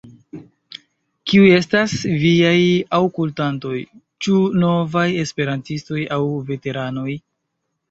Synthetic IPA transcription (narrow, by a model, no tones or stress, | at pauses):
kiuje̞stasviajawkultanto̞j | t͡ʃuno̞vaje̞spe̞ɾantisto̞jawve̞te̞ɾano̞j